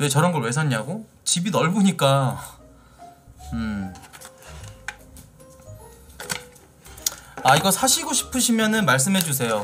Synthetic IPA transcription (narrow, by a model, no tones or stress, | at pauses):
we̞t͡ɕʌɾʌnɡʌɭwe̞sʰaɲaɡo | t͡ɕibinʌɭboɲik͈a | ɯ | aiɡʌsʰaɕʰiɡoɕʰi̥pʰɯɕʰimjʌnɯnmaɭs̬͈ɯmɦe̞d͡ʑus̬ʰe̞jo